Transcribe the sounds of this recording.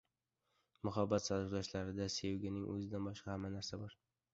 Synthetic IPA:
mʊɦabːat̪salɪfd̪aʃlaɾɪd̪asewɡʲɪnɪŋʔɵ̰zɪd̪anbɒʃqɑhamːanaɾsabɒɾ

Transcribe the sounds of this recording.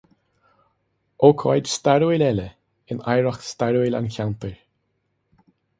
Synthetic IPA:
oːkʰɔjdst̪aɹuwɪlɛlə | ɪna̰jɹɔxst̪aɹuɪla̰nkʲawnt̪əɹ

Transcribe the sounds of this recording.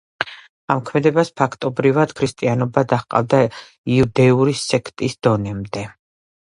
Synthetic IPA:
amkʰmɛd̪ɛbaspʰakʰt̪ʼɔbɾivad̪̥kʰɾist̪ʼianɔbad̪aχqʼa̰vd̪a | iud̪ɛuɾisɛkʰt̪ʼisd̪̥ɔnɛmd̪ɛ

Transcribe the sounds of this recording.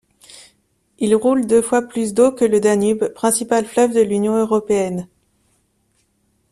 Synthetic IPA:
ilʁuld̪øfwaplys̬d̪okələd̪anybpχɛ̃sipalflœvd̪əlynjɔ̃øʁɔpeɛn

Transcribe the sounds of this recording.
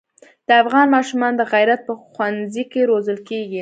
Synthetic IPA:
d̪̥əafɣɑnmɑʃumɑnd̪əɣajɾat̪̚pəxwanzikeɾozəlkeɡi

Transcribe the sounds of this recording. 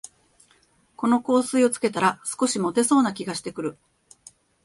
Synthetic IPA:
ko̞no̞ko̞ːsɨio̞t͡sɨ̥ke̞t̪aɾasɨ̥ko̞ɕimo̞t̪e̞so̞ːnakʲiɡaɕi̥t̪e̞kɯ̟ɾɯ̟

